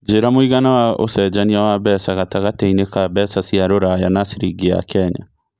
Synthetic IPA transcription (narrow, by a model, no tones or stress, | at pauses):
d͡ʒeɾamoiɣanawao̰sɛd͡ʒaniawaβɛsaɣataɣateinekabɛsasiaɾoɾajanasiɾiɡea̰kʰɛɲa̰